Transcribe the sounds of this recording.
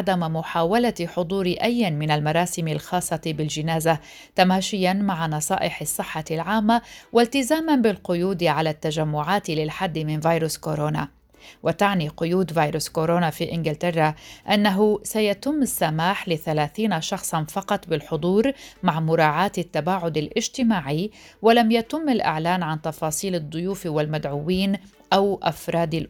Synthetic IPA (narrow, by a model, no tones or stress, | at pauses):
d̪ammʊħaːwalaħʊd̪ˤuːɾɪʔajːɪnmɪnalmɑɾˤɑːsɪmɪlxɑːsˤːɑt̪bɪld͡ʒɪnaːza | t̪amaːʃɪjanmaʕanɑsˤɑ̰ːʔɪħɪsˤːɨħːalʕaːmːawʔalt̪ɪzaːmanbɪlqʊjuːd̪ʕalaːt̪ːad͡ʒamːʊʕaːt̪lɪlħad̪ːɪmɪnvaːjɾʊskoɾoːna | wʔat̪aʕniːqʊjuːd̪vaːjɾʊskoɾoːnafiːʔɪnɡɪlt̪ɪrˤːaʔanːaɦʊsajat̪ɪmːɪsːamaːħlɪθalaːθiːnaʃɑxsˤɑnfɑqɑt̪ˤbɪlħʊd̪ˤuːɾmaʕmʊɾˤɑːʕaːt̪ɪt̪ːabaːʕʊd̪alʔɪʒt̪ɪmaːʕɪj | walamjat̪ɪmːalʔɪ̰ʕlaːnʕant̪ɑfɑːsˤiːlɨd̪ˤːʊjuːfwalmad̪ʕuwiːn | ʔawʔa̰fɾˤɑːd̪ɪl